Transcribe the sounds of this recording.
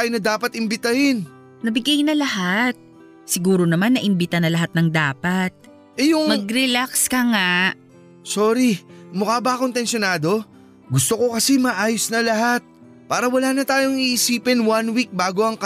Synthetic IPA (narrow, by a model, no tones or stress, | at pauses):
ajonɐd̪aːpɐt̪ɪmbɪt̪ɐhɪn | nɐbɪɡajnɐlɐhat̪̚ | sɪɡuːɾo̞nɐmanːɐʔɪmbɪt̪anɐlɐɦat̪̚nɐŋd̪aːpɐt̪̚ | ʔɛjʊŋmɐɡ̚ɾɛlakskɐŋa | soːɾimʊkaːbɐɐkont̪ɛnsjonaːd̪o̞ | ɡʊst̪o̞ko̞kɐsɛmɐʔaːjosnɐlɐɦat̪̚ | paːɾɐwɐlaːnɐt̪aːjo̞ŋiʔɪsiːpɪnwanwik̚baːɡoʔɐŋkɐ